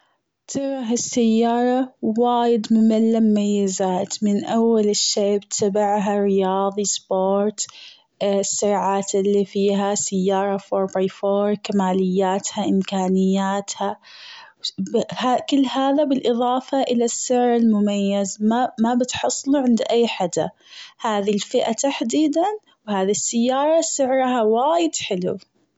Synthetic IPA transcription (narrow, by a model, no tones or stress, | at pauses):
t̪ʰɪɾˤɑɦasːajːɑːɾˤɑwaːjɪd̪mʊmalːamʊmajːazaːt̪mɪnʔawːalɪʃːeːbɪt̪ʰabaʕɦaɾɪjɑːðˤisˤboːɾt̪ | sːʊɾʕaːt̪ɪlːifiːɦasajːɑːɾˤɑfoːɾˤbifoːɾˤkamaːlɪjːaːt̪haʔɪmkaːnɪjːaːt̪ha | bhakɪlːhaːðabɪlʔɨðˤɑːfɑʔɪlasːɪʕɾɪlmʊmajːazmamabɪt̪ħɑsˤːluʕɪnd̪ʔajːħad̪a̰ | haːðilfɪʔat̪aħd̪iːd̪an | whaːðisːajːɑːɾˤɑsɪʕɾhawaːjɪd̪ħɪlṵ